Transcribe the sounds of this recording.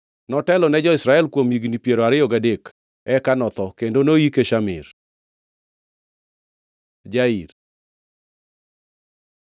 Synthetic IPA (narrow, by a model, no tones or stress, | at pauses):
nɔtɛlɔnɛd͡ʒɔɪsɾaɛlkwomiɡnipjeɾoaɾɪjɔɡadek | ɛkanɔt̪ɔkendonoikeʃamɪ̰ɾ | d͡ʒaiɾ